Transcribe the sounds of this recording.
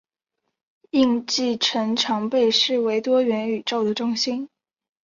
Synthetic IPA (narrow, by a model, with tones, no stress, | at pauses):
i˥˧ŋt͡ɕi˥˩ʈ͡ʂʰə˧˥ŋʈ͡ʂʰɑ˧˥ŋpe˥˧ɪʂɻ̩˥˩we˧˥ɪt̪wɔ˥ɥɛ˧˥ny˨˩ʈ͡ʂo˥˩ʊd̪ə˩ʈ͡ʂʊ˥ŋɕi˥n